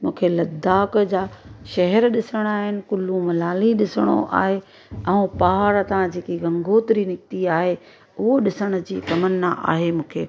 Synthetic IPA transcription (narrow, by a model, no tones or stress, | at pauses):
mũːkʰelɐd̪ʱaːk̆d͡ʑaːʃɐɦɛɾɗɪsəɽ̃aːɦɪnɪ̆kʊlːũmɐlaːliɗɪsəɽ̃o̰ʔa̰ːɦe | ɐ̃ũpaːaɾɐt̪ãd͡ʑeːkiɡɐ̃ŋɡʱoːt̪ɪɾinɪk̚t̪iaːɦe | ʊɦoɗɪsəɽ̃ʊ̆d͡ʑiːt̪ɐmənːa̰ʔa̰ːɦemũːkʰḛː